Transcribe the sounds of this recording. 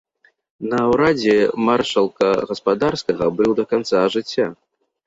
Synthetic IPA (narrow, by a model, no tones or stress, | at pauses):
nɐːwɾad͡zʲɛmarʂɐlˠkɐɣɐspad̪arskɐɣɐbɨwd̪ɐkant̪saʐɨt͡sʲːa